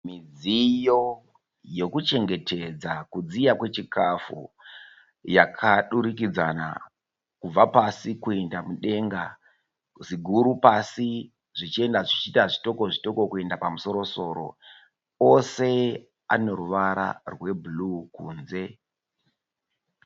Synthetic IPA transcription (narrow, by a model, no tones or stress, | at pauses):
mid͡zijo̞ | jo̞kut͡ʃe̞ŋɡe̞tʰe̞d͡zakud͡zijakwe̞t͡ʃikʰafṵ | jakʰaɗuɾikid͡zana̰ | kub͡vapasikue̞ndamuɗe̞ŋɡa | ʐiɡʱuɾupasi | ʐit͡ʃie̞ndaʐit͡ʃitaʐito̞ko̞ʐito̞kokue̞ndapamuso̞ɾo̞so̞ɾo̞̰ | ose̞ | a̰no̞ɾuʋaɾa̰rwe̞bulukuːnze̞